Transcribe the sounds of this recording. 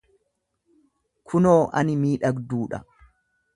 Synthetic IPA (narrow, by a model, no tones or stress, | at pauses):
kʰʊnoːʔɐnɪmiːᶑɐɡd̪uːᶑɐ̰